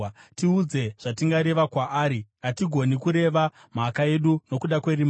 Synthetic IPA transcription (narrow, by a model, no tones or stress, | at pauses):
tiud͡ze̞ʐ̥atiŋɡaɾe̞ʋakwaʔːɾiatiɡʱo̞nikuɾe̞ʋa | m̤akae̞ɗuno̞kuɗakwe̞ɾim